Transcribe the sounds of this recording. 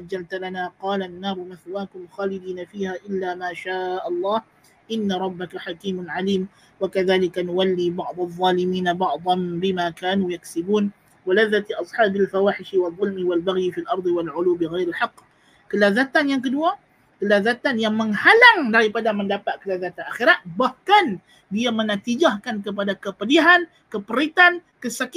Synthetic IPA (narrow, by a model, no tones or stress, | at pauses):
ad͡ʒːalt̪alanaːqɑːlanːaːɾʊmaθwaːkʊmxaːlɪd̪iːnafiːhaːʔɪlːaːmaːʃaːʔɑlˤːɑːh | ʔɪnːaɾˤɑbːakaħakiːmʊnʕaliːm | wakaðaːlɪkanʊwalːiːbɑʕd̪ˤɑðˤːɑːlɪmiːnabɑʕd̪ˤɑnbɪmaːkaːnuːjaksɪbuːn | walaðːat̪ʔɑsˤħaːbalfawaːħɪʃiwɑðˤːʊlmiwalbaɣjifilʔɑɾˤd̪ˤiwalʕʊluwbiɣajɾalħɑqː | kəlazat̪anjaŋk̬ədua | kəlazat̪anjaŋməŋhalaŋdaɾipadaməndapaʔ̪̚kəlazat̪anʔaxiɾat̪̚bahkan | diamənat̪id͡ʒahkankəp̬adakəpəliɦan | kəpəɾit̪ankəsak